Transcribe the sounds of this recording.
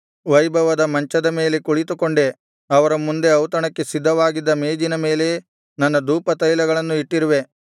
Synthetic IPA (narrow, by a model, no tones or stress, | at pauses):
ʋɐjbʱɐʋɐd̪ɐmɐɲt͡ʃɐd̪ɐme̞ːle̞kuɭit̪ukoɳɖe̞ | ɐʋɐɾɐmːund̪e̞ɐwt̪ɐɳɐkːe̞sid̪ʱːɐʋaːɡid̪ːɐmeːd͡ʒinɐme̞ːle̞ | nɐnːɐd̪uːpɐt̪ɐjlɐɡɐɭɐnːuiʈːiɾuʋe̞